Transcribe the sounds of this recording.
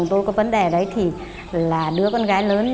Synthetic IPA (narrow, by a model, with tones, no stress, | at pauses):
ŋ͡mt̪o˧jkɔ˨˦və˨˦nɗe˨˩ɗə˨˦jt̪ʰi˨˩ | laː˨˩ɗɨ˨˥əkɔ˧nɣaː˨˦jləː˨˦n